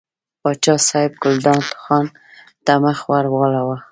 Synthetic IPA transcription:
pɑt͡ʃɑsɑɪb̚ɡʊld̪ɑnt̪ʊ̥xɑn | t̪amaxwaɾwɑlawa

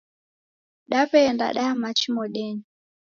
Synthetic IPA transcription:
ɗapɛɛnda̰ɗaamat͡ʃimɔɗɛɲi

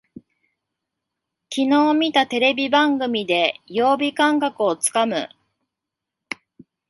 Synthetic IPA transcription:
kʲino̞ːmʲit̪at̪e̞ɾe̞bʲibãŋɡɯ̟mʲid̪e̞jo̞ːbʲikãŋkakɯ̟o̞t͡sɨ̥kamɯ̟̰

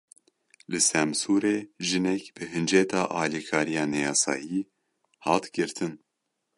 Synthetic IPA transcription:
lɨsɛmsuːɾeːʒɨnɛkb̥ɨɦɨnd͡ʒɛt̪ʰɑːʔɑːliːkʰɑːɾijɑːnɛjɑːsɑ̰ːjiː | hɑːt̪ɡɨɾt̪ʰɨn

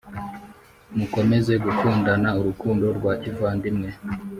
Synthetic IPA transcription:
muko̞me̞ze̞ɡukuːndanauɾukuːndo̞ɾɡwaːcivaːndimŋe̞

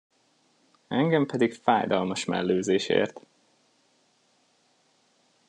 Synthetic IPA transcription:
ɛŋɡɛmpɛd̪ikfaːjd̪ɒlmɒʃmɛ̰lːøːzeːʃḛːrt̪

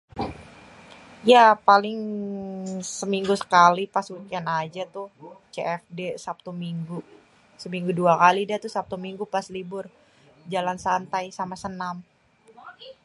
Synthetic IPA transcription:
japalɪŋ | səmiŋɡusə̥kalipaswikɛnad͡ʒat̪ʊht͡ʃeʔɛfdesap̚t̪umiŋɡu | səmiŋɡuduakalidat̪ʊsap̚t̪umiŋɡupaslibʊr | d͡ʒalansant̪ajsamasənam

